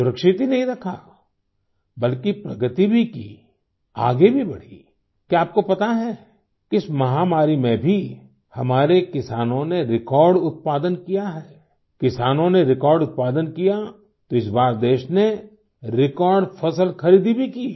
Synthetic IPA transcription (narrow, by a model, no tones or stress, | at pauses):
sʊɾəkʃɪt̪inɐɦĩɾɐkʰa | bɐlkipɾɐɡət̪ibʱikḭ | a̰ːɡebʱibɐɽ̤ḭ | kaːp̚kopɐt̪aɦɛː | kɪsmɐɦaːmaːɾimẽbʱi | hɐmaːɾekɪsaːnõneɾɪkɔːɾɖʊt̪̚paːd̪ənkijaɦɛː | kɪsaːnõneɾɪkɔːɾɖʊt̪̚paːd̪ənkija | t̪oɪsbaːɾd̪eːʃne | ɾɪkɔːɾɖfɐsəlxɐɾiːd̪ibʱikiː